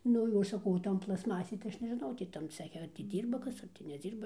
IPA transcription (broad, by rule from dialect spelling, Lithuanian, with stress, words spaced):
ˈnʊ oː sɐˈkɐʊ oː ˈtoːn plˠɐsˈmɑːsʲeːj tɐɪ ˈɐʃ nʲɛʒʲɪˈnɐʊ ˈtʲiː tɐm ˈt͡sʲæːxʲɛ ɐr tʲiː ˈdʲiːrbɐ ˈkɐs ˌɐr tʲɪ nʲɛˈd͡zʲiːrbɐ